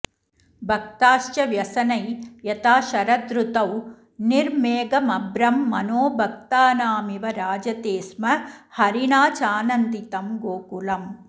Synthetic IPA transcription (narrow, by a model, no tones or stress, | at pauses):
bʱɐk̚t̪aːʃt͡ʃɐʋjɐsɐnɐjjɐt̪aːʃɐɾɐd̪ɾut̪ɐw | niɾmeːɡɐmɐbɾɐmːɐnoːbʱɐk̚t̪aːnaːmiʋɐɾaːd͡ʒɐt̪eːsmɐhɐɾiɳaːt͡ʃaːnɐnd̪it̪ɐmɡoːkulɐm